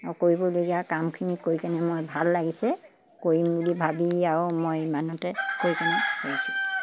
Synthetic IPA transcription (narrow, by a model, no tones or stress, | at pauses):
akoɹibɔloɡiakamkʰinikoɹikanɛmojbʱalːaɡisɛ | koɹimbulibʱabiaɹʊmojmanɔtɛkojkanɛkoɹisu